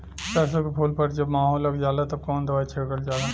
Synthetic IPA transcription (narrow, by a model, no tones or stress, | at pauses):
pɛːs̬okepʰoːlpɐɾd͡ʒɐbmaːɦoːlːɐɡd͡ʒaːlaːt̪ɐb̚kɔːnd̪ɐʋaːit͡ʃʰeɽɡəld͡ʒaːla